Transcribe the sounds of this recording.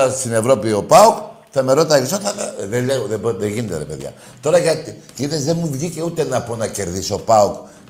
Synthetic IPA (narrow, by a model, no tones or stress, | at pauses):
ɐst̪ine̞vɾo̞pio̞pauk | θɐme̞ɾot̪ɐksot̪ɐtɐðeleɣoðebðeʝinet̪eɾepe̞̰ðʝɐ̰ | t̪o̞ɾɐʝɐt̪iciθezðenmuvʝice̞ut̪e̞nɐpo̞nɐce̞ɾðiso̞pɐuk